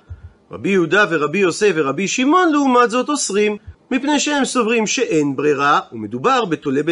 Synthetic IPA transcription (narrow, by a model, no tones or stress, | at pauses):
ʁa̰bijehud̪ave̞ʁabijo̞seveʁabiʃimo̞nleumat̪zo̞t̪o̞sʁimːipne̞jʃehe̞mso̞vʁimʃe̞ʔe̞nbʁiʁaume̞d̪ubaʁbe̞t̪o̞lebe